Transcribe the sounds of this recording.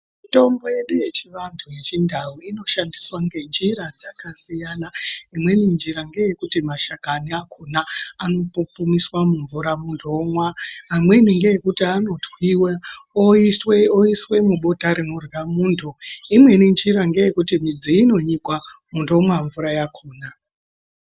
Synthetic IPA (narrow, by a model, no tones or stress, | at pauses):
mito̞mbo̞je̞ɗuje̞t͡ʃiʋantʰuje̞t͡ʃindʱauino̞ʃandiswaŋɡe̞nd͡ʒirad͡zakasijanaimwe̞nind͡ʒiɾaŋɡe̞je̞kutimaʃakaniakʰunaano̞pupumiswamuɱvuɾamundomwaːmwe̞niŋɡe̞jekutiano̞twiwaoweoiswe̞muɓotaɾimuramuːntʰuimwe̞nind͡ʒiɾaŋɡe̞je̞kutimid͡ziino̞ɲikwamundo̞mwaɱvuɾajakʰuːna